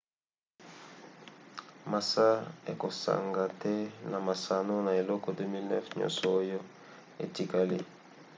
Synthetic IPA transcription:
ma˨sa˦ḛ˨ko˨sa̰˨ŋɡa˨tɛ˦na˨ma˨sa˨no˦na˨e˨lɔ˦kɔ˨dø˦mi˦lnɛ̰˦fɲɔ̰̃˦˨nsɔː˨˦jo˦ | ḛ˨ti˨ka˦li˦

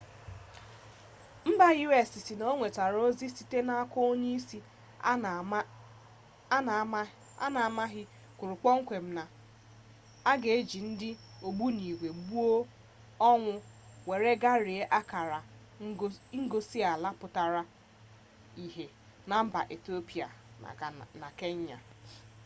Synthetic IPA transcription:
m̩˦ba˦ɣi˦we˨si˨si˨no˦o˦ŋʷe˨ta˨ɾo˦zi˦si˨te˦na˦a˦kʊ˦o˦ɲe˦si˦ | a˦na˨a˨ma˦ɦɪ˦ | kʷʊ˨ɾʊ˨k͡pɔ˦ŋ̩˦kʷe˨m̩˦na˨ | a˦ɡe˨e˦d͡ʒi˨n̩˦dɪ˦o˨ɡ͡bu˦ni˨ɡʷe˨bu˦o˦ | ɔ˦ŋʷʊ˦ | we˨ɾe˦ɡa˦ɾɪ˨e˦ʔa˦ka˨ɾa˨˦ | ŋ̩˦ɡo˦si˦a˨la˦pʊ˨ta˨ɾa˨ | i˨ɦe˨ | na˨m̩˦ba̰˨ʔe˨ti˦o˦pi˨a̰˨a˨na˨ke˦ɲ˦ɲa̰˨

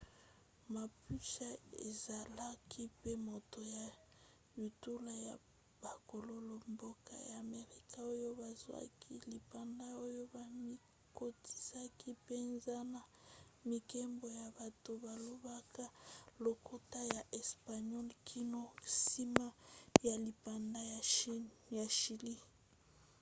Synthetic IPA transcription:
ma˨pu˦ʃa˦ḛ˨za˨la˦kʰi˦pe˦mo˨to˨ja˨ | ju˨tu˦la˦ja˨ | b̥a˨ko˨lo˦lo˦mbo˦ka̰˦ja˨me˨ʁi˦kʰa˦o˦jo˦ba˨zwa̰˦kʰi˦li˨pa˨nda˦o˦jo˦ba˨mi˦ | ko˦ti̥˨sa˦ki˦pe˦nza˦na˨mi˨kɛ˦mbo˨ja˨ba˨to˨ba˨lo˦ba˦ka˦lo˨kʰo˦ta˦ja˨ʔɛ˨spa˨ɲɔ˦lkʰi˦no˦si˦ma˦ja˨li˨pa˨nda˦ja˨ʃja˨ʃi˨li˦

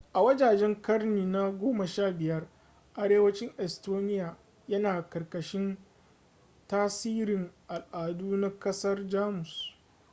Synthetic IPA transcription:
ʔa˨wɐ˦d͡ʒaː˨d͡ʒɛ˦ŋkɐ˦rniː˨na˦ɡʷoː˦mɐ˨ʃaː˦˨bɪ˨jɐ˦r | ʔa˨ɽeː˦wɐ˦t͡ʃɪ˦ŋʔɛ˨stoː˦nɪ˦jaː˨ | jɐ˦naː˨kɐ˨rkɐ˨ʃɪ˦n | taː˦siː˦ɾɪ˨ŋʔa˨lʔaː˨duː˦na˦kɐ˦sɐ˦rd͡ʒaː˦mʊ˨s

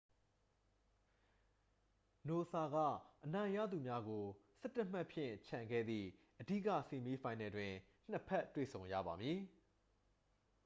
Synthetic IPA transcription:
no˨sa˨ɡä̰˦˨ʔənã˨ɪ̃ja̰˦˨d̪u˨mja˦ɡo˨sɛ˦tːə˦m̥a˦ʔpʰjɪ̰̃˦˨t͡ɕʰã˨ŋɡɛ̰˦˨d̪ðḭ˦˨ | ʔədi˦˨kä̰˦˨se˨mji˦fʰã˨ɪ̃nɛ˨dwɪ̃˨ | n̥əpʰɛ˦tːwḛ˦˨sʰõ˨ʊ̃jä̰˦˨ba˨mji˨

